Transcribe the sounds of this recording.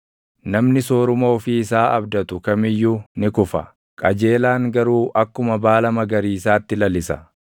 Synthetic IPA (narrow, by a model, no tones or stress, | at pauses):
nɐmnɪsoːɾʊmoɔfiːɪsaːɐbd̪ɐt̪ʊkɐmɪjːuːnɪkʊfɐ̰ | kʼɐd͡ʒe̞ːlaːŋɡɐɾuːʔɐkːʊmɐbaːlɐmɐɡɐɾiːɪsaːt̪ːɪlɐlɪsɐ